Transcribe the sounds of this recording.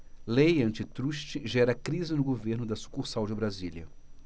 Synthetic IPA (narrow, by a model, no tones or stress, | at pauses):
lejɐ̃nt͡ʃɪt̪ɾuʃt͡ʃɪʒɛɾɐkɾizɪnʊɡoveɾnʊd̪ɐsu̥kuɾsawd͡ʒɪbɾazilʲiɐ